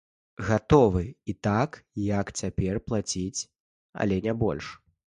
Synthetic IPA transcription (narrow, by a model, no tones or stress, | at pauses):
ɣat̪ɔvɨit̪akjɐkt͡sʲapʲɛrplˠat͡sʲit͡sʲ | ɐ̰lʲɛnʲɛbɔ̰lʲʂ